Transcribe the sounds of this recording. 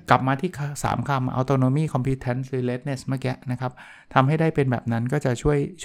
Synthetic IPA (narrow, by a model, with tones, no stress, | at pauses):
kla˨˩p̚maː˧t̪ʰiː˥˩kʰsa̰ː˩˦mkʰa˧mʔa̰˧wt̪oː˧noː˧miː˥˩kʰɔ˧mpʰi˦˥t̪ʰːɛ˦˥nsɾɯː˩˦le˦˥t̪̚ne˦˥˩sma˥˩kɛ˦˥ʔna˦˥kʰa˦˥p̚ | t̪ʰa˧mɦa˥˩jdaː˥˩jpe˧nbɛː˨˩p̚na˦˥nkɔː˥˩t͡ɕa˨˩ʔt͡ɕʰu˥˩əjʰ